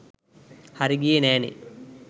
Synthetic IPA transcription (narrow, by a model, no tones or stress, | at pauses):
hɐɾiɡijeneːnḭ